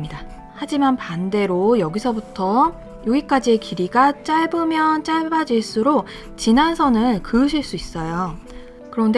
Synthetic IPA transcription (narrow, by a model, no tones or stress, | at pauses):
ida | had͡ʑimanpande̞ɾojʌɡisʰʌbutʰʌ | joɡik͈ad͡ʑie̞kiɾiɡat͡ɕ͈aɭbɯmjʌnt͡ɕ͈aɭbad͡ʑiɭs͈uɾok | t͡ɕinansʰʌnɯɭkɯɯɕʰiɭs͈uis͈ʌjo | kɯɾʌnde